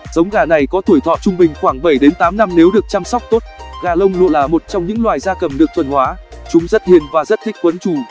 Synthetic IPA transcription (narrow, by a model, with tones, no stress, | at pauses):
z̥ə˨˦wŋ͡mɣaː˧˩na˨˩jkɔ˨˦t̪ʰu˧˩jt̪ʰɔ̰˧˨t͡ɕʊ˧ŋ͡mɓï˨˩ŋ̟xwaː˧˩ŋɓə˧˩jɗe˨˦nt̪aː˨˦mna˧mne˨˦wɗɨ˨˩ək̚t͡ɕaː˧msɔ˦˥wk͡p̚t̪o˦˥t̚ɣaː˨˩lə˧wŋ͡mlo̰˧˨laː˨˩mo˨˩t̚t͡ɕɔ˧wŋ͡mɲɨ̰˧˥ŋlwaː˨˩jzaː˧kə˨˩mɗɨ˨˩ət̪ʰwə˨˩nhwaː˨˦ | t͡ɕʊ˨˦ŋ͡mzə˦˥t̚hi˨˩ənvaː˨˩zə˦˥t̚t̪ʰï˥k̚kwə˨˦nt͡ɕu˨˩